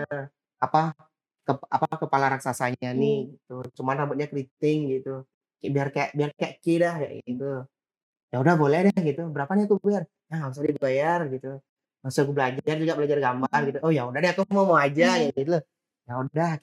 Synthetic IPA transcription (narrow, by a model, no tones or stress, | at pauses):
ə | apa | kəa̰pakəpalaɾaksasaɲanihɡit̪ut͡ʃumanrabut̪̚ɲakəɾit̪ɪŋɡit̪u | kbiarkɛʔbiarkɛʔkɪdahja̰ʔɡit̪u | jaudahbolɛhdahɡit̪ubəɾapaniakubbiar | aaus̬adiɡəbajarɡit̪u | masakubəlad͡ʒard͡ʒuɡaʔbəlad͡ʒarɡambarɡit̪uʔojaudahdɛhakumamoad͡ʒajaɡit̪ula | jauddah